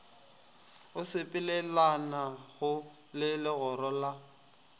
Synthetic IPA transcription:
ʊsɪpʼɪlɛlanaɣʊ | lɪlɪɣɔɾɔla

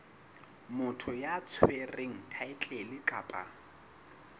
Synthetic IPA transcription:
mʊtʰʊjat͡sʰwereŋ̩tʰaɪt͡ɬʼelɪkʼaːpʼa̰

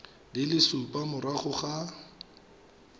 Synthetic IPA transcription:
lɪlɪsʊpʼamʊɾaχʊχa

